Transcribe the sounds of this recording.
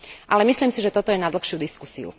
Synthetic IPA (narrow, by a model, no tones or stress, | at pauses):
ʔalɛmisliːmsiʒɛt̪ɔt̪ɔjɛnad̪l̩xʃɪud̪iskusḭṵ